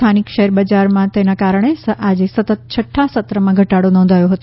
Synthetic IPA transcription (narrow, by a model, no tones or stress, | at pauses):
t̪ʰanikʃəɦɛɾbəd͡ʒaɾmãt̪enakaɾəɳ̃eəʔad͡ʒesət̪ət̪̚t͡ʃʰəʈʰːasət̪ɾəmãɡʱəʈaɽonɔ̃nd̪ʱajõɦət̪ũ